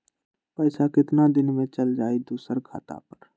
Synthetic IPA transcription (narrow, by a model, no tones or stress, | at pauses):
pəːsakɪt̪nad̪ɪnmẽt͡ʃəld͡ʒaːid̪uːsəɾkʰa̰ːt̪a̰pɐɾ